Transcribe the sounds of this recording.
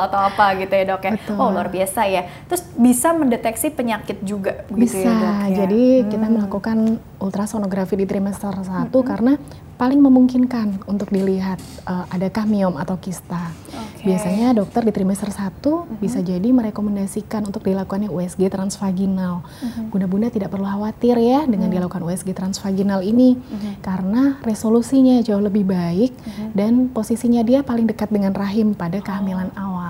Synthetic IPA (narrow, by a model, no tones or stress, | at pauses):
at̪awapaɡit̪ujadɔkjaʊoluarbiasajat̪ɾʊsbisaməndet̪ɛksipəɲakɪt̪̚d͡ʒuɡabbisad͡ʒadikit̪aməlakukan | ult̪ɾasonoɡɾafidit̪ɾimɛst̪ərsat̪ukarəna | palɪŋməmuŋkinkanunt̪ʊk̚diliɦat̪̚ | ʔəʔadakahmiɔmat̪awkist̪a | biasaɲadɔk̚t̪ərdit̪ɾimɛst̪ərsat̪ubisad͡ʒadiməɾekomɛndasikanunt̪ʊk̚dilakukanjauɛsɡet̪ɾansfaɡinal | ɡ̥unabundat̪idaʔpərluɦawat̪ɪrjadəŋandilakukanuɛsɡet̪ɾansfaɡinaliniːaɾənaresolusiɲad͡ʒaʊhləbɪhbaɪk̚danposisiɲadiapalɪŋdəkat̪̚dəŋanraɦɪmpadakəamilanawa